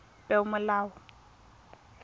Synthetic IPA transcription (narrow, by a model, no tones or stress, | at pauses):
pʼɛʊmʊlaːʊ